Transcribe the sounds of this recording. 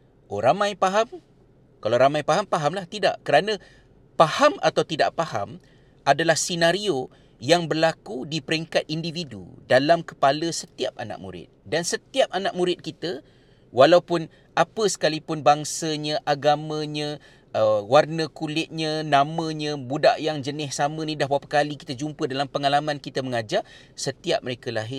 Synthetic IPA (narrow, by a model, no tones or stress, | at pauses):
ʔoɾamãjpaɦam | kalawɾamãjpaɦampaɦamlaht̪ida̰ʔkəɾanə̃ | pahama̰t̪awt̪ida̰ʔpaha̰m | ʔadalahsinaɾio | jaŋbərlakudipəɾiŋkat̪̚individṵdalamkə̥paləsət̪iap̚a̰na̰k̚mṵɾɪ̰t̪̚dansət̪iap̚anak̚muɾɪt̪̚kit̪ə | walaupʊn | ʔapəsə̥kalipʊnbaŋsəɲə̃ʔaɡamə̃ɲə̃ | əwarnə̃kulɪt̪̚ɲə̃nãmə̃ɲə̃buda̰ʔjaŋd͡ʒənɪssamə̃nidahbapakaliki̥t̪ad͡ʒumpədalampəŋalamãnkit̪əməŋad͡ʒaʔ | sət̪iap̚məɾekəlaɦɪr